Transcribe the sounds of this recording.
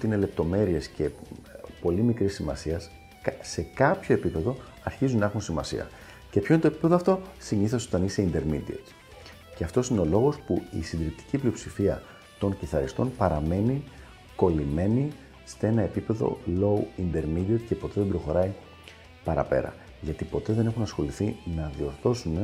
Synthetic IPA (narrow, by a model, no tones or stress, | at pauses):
t̪iinele̞p̚t̪o̞me̞ɾie̞sce̞po̞limikɾisːimɐsiɐs | se̞kɐpço̞e̞pipe̞ðo̞ | ɐɾçizunɐexunsimɐsḭɐ̰ | ce̞pçoint̪oepipe̞ðoɐft̪o̞siɲiθeso̞t̪ɐnise̞ind̪e̞ɾmid̪iɐ̰t̪ | ceɐft̪o̞sineo̞lo̞ɣo̞spuḭsind̪ɾip̚t̪i̥ciplio̞psifiɐ | t̪o̞ŋciθɐɾist̪o̞npɐɾɐme̞ni | ko̞lime̞ni | se̞nɐe̞pipe̞ðo̞̰lo̞uind̪e̞ɾmid̪iɐt̪ce̞po̞t̪e̞ðebɾo̞xo̞ɾɐi | pɐɾɐ̰pe̞̰ɾɐ̰ | ʝɐt̪ipo̞t̪e̞ðe̞nexunɐsxo̞liθinɐðio̞ɾθo̞sune